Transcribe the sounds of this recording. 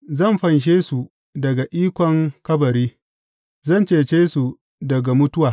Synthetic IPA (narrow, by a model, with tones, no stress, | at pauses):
zɐ˦˨mɸɐ˨nʃ̬eː˦su˨ | dɐ˨ɡa˨ʔiː˦kʷɔ˨ŋkɐ˦bɐ˨ɾiː˦ | zɐ˦˨nt͡ʃeː˨t͡ʃeː˦su˨ | dɐ˨ɡa˨mʊ˦tʊ˦waː˨